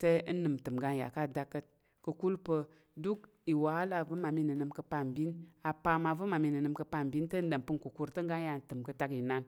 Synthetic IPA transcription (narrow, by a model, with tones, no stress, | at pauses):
tə˦nɨ˨mtɨ˨mɡa˧nja̰˨ka˦˨da˦kːə˦t̚ | kə˧ku˦lpə˧ | du˦k̚ | i˨wa˨˦la˦˨və˦ma˨mi˦nɨ˨nɨ˧mkə˧pa˧˨mbi˦na˨pa˧ma˧və˦ma˨mi˧nɨ˨nɨ˧˨mkə˧pa˧˨mbi˦ntə˦n̩˦ɗə˨mpɨ˦nku˨ku˦ɾtə˦ŋ˦ɡa˦nja˧˨n˨tɨ˨mkə˧ta˧ki˨na˦n